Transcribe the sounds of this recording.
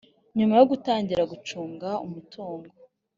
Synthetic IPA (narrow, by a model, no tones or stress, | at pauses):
ɲumajo̞ɡutaːɲɟiɾaɡut͡ʃuːŋɡaṵmutʰuːŋɡo